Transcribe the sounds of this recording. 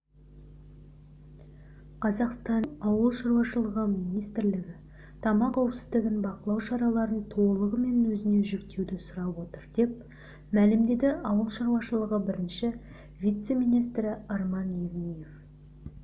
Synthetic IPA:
qʰɑzɑqst̪ɑnɑwəlˠʃɑɾwɑʃəlˠəʁəmijnijst̪ɪɾlɪɡʲɪ | t̪ʰɑmɑqʰɑwəpsɪzd̪ɪɡʲɪnbɑqəlˠɑwʃɑɾɑlˠɑɾənt̪ʰo̞lˠəʁəme̞nwɵzɪne̞ʒɪkt̪e̞wd̪ɪsʊɾɑpwo̞t̪əɾd̪̥e̞p̚ | mælɪmd̪e̞d̪ɪʔɑwəlˠʃɑɾwɑʃəlˠəʁəbɪɾɪnʃɪ | vʲijt̪se̞mijnijs̬t̪ɾɪɑɾmɑnjevnʲije̞f

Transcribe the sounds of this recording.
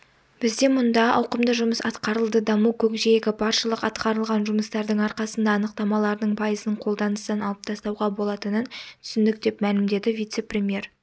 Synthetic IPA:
b̥ɪzd̪e̞mʊnd̪ɑɑwqəmd̪əʒʊməsɑt̪qɑɾəlˠd̪əd̪ɑmukʲʰɵkʒejeɡʲɪbʰɑɾʃəlˠəqɑt̪qɑɾəlˠʁɑnʒʊməst̪ɑɾd̪əɴɑɾqɑsənd̪ɑːnəq̚t̪ɑmɑlˠɑɾd̪əɴpʰɑjəzəɴqʰo̞lˠd̪ɑnəst̪ɑnɑlˠəp̚t̪ʰɑst̪ɑwʁɑbo̞lˠɑt̪ənənt̪ʰʏsɪnd̪ɪk̚d̪e̞pmælɪmd̪e̞d̪ɪvʲijt̪se̞prʲe̞mʲije̞ɾ

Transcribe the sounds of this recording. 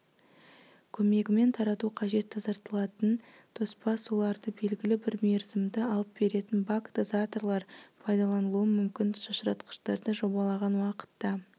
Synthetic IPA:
kʲʰɵme̞ɡʲɪme̞nt̪ʰɑɾɑt̪uqʰɑʒe̞t̪ːɑzɑɾt̪əlˠɑt̪ən | t̪ʰo̞spɑsulˠɑɾd̪əbe̞lɡʲɪlɪbɪɾmʲe̞ɾzɪmd̪ɪɑlˠəp̚be̞ɾe̞t̪ɪnbakd̪zat̪oɾlˠɑɾpʰɑjd̪ɑlˠɑnəlˠuəmʏmkʲɪnʃɑʃɾɑt̪qə̥ʃt̪ɑɾd̪əʒo̞bɑlˠɑʁɑnwɑqə̥t̪ːɑ

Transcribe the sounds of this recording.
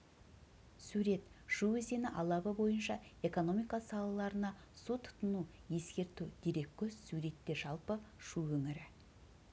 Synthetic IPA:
suɾe̞t̪ʃuwezenɪʔɑlˠɑbəbo̞jənʃɑe̞ko̞no̞mijkɑsɑlˠɑlˠɑɾənɑ | sut̪ʰʊ̥t̪ənu | je̞skʲe̞ɾt̪ud̪̥eɾe̞k̚ʲkʲʰɵzsuɾe̞t̪ːe̞ʒɑlˠpəʃuwɵŋɪɾɪ

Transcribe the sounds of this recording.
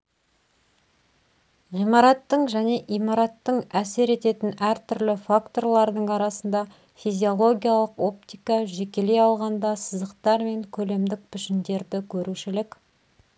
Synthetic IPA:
ʁijmɑɾɑt̪ːəɴʒæne̞ʔijmɑɾɑt̪ːəɴæse̞ɾe̞t̪e̞t̪ɪnæɾt̪ʰʏɾlɪfakt̪o̞rlˠɑɾd̪əɴɑɾɑsənd̪ɑ | fizʲio̞lˠo̞ɡʲijalˠəqo̞p̚t̪ijkɑʒe̞kʲe̞le̞jɑlˠʁɑnd̪ɑsəzəqt̪ɑɾme̞ŋkʲʰɵle̞md̪ɪk̚pʏʃɪnd̪e̞ɾd̪ɪkʲʰɵɾuʃɪlɪkʲ

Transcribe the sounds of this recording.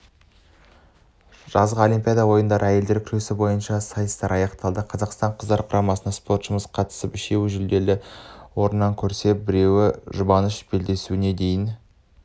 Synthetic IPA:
ʒ̥ɑzʁəo̞limpʲijɑd̪ɑwo̞jənd̪ɑɾʔəæje̞ld̪e̞ɾkʲʰʏɾe̞sɪbo̞jənʃɑsɑjəst̪ɑɾʔɑjɑqt̪ɑlˠd̪əqʰɑzɑqst̪ɑɴqʰəzd̪ɑɾqʰʊɾɑmɑsənɑspo̞rt̪ʃəməzqʰɑt̪ə̥səpɪʃe̞wɪʒʏld̪e̞lɪwo̞ɾənːɑŋkʲʰɵɾse̞p̚bɪɾe̞wɪʒʊbɑnəʃbe̞ld̪e̞suɪne̞d̪e̞jɪn

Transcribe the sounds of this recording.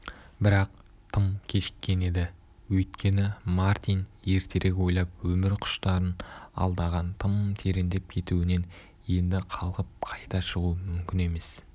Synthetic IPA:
bɪɾɑq̚ | t̪ʰəmkʲʰe̞ʃɪ̥kʲːe̞ne̞d̪ɪ | wɵjt̪kʲe̞nɪmaɾt̪ʲijnje̞ɾt̪ʰe̞ɾʔekʲwo̞jlˠɑp̚wɵmɪɾqʰʊ̥ʃt̪ɑɾənɑ̰lˠd̪ɑʁɑnt̪ʰəmt̪ʰe̞ɾend̪e̞p̚kʲʰe̞t̪uwɪne̞n | je̞nd̪ɪqʰɑlˠʁəp̚qʰɑjt̪ɑʃəʁuəmʏmkʲɪne̞me̞s

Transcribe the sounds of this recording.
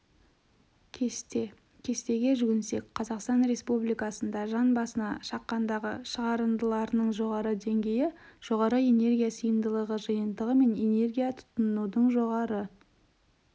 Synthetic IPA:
kʲʰe̞st̪e̞ɡʲe̞ʒʏɡʲɪnse̞k̚ʲqʰɑzɑqst̪ɑnɾe̞spublijkɑsənd̪ɑʒɑnbɑsənɑʃɑqːɑnd̪ɑʁə̰ʃəʁɑɾənd̪əlˠɑɾənəɴʒo̞ʁɑɾəd̪e̞ŋɡʲe̞jɪʒ̥o̞ʁɑɾəe̞ne̞rɡʲijasəjənd̪əlˠəʁəʒəjənd̪əʁəme̞ne̞ne̞rɡʲijat̪ʰʊ̥t̪ːʊnud̪əɴʒo̞ʁɑɾə

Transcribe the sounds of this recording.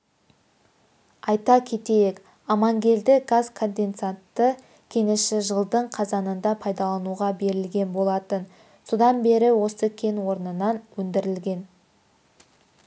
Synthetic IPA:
ɑjt̪ɑkʲʰe̞t̪e̞jek | ɑmɑŋɡʲe̞ld̪ɪɡazkʰo̞nd̪e̞nt̪sant̪ːə | kʲʰe̞nɪʃɪʒəlˠd̪əɴqʰɑzɑnənd̪ɑpʰɑjd̪ɑlˠɑnuʁɑbe̞ɾɪlɡʲe̞nbo̞lˠɑt̪ən | so̞d̪ɑnbe̞ɾɪwo̞səkʲʰe̞nwo̞ɾnənɑnwɵnd̪ɪɾɪlɡʲe̞n

